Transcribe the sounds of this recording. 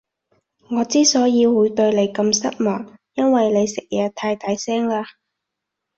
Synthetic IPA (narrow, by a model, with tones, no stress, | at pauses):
ŋɔː˨˧t͡siː˥sɔː˨˥jiː˨˧wwu˨˥jt̪ɵ˧ɥle˨˧jkɐ˧msɐ˥t̚mɔː˨˩ŋjɐ˥nwɐ˨jle˨˧jsɪ˨k̚jaː˨˩t̪ʰaː˧jt̪aː˧jsɛː˥ŋlaː˧